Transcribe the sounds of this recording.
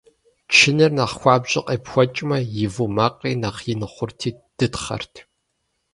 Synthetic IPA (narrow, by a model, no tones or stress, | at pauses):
t͡ʃʰɪnɨrnɐχxʷɑːbʑʼɪqʼeːpxʷɔt͡ʃʼmɐjɪvumaqʼiːnɐqjɪnɨχʷʊrtʰiː | d̥ɨtχɐ̰rtʰ